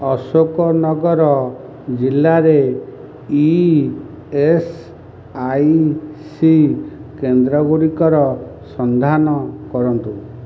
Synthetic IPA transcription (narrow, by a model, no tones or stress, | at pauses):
ɔsokɔnɔɡɔɾɔ | d͡ʒilːaɾe | i | es | ajsikend̪ɾɔɡuɾikɔɾɔsɔnd̪ʱanɔkɔɾɔnt̪u